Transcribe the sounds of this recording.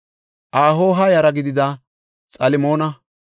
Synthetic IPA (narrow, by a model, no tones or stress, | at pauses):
ʔaːɦoːɦɐjɐɾɐɡɪd̪ɪd̪ɐ | t͡sʼɐlɪmo̞ːnɐ